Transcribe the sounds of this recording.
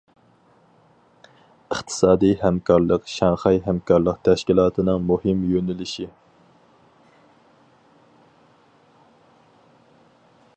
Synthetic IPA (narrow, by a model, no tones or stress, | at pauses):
əχt̪ʰɨ̥sɑːd̪ijhæmkʰɑɾlˠəqʃɑŋχɑjɦæmkɑɾlˠəqt̪ʰɛʃkʲilˠɑːt̪ʰɨnɨŋmuhɨmjønɪlɪʃi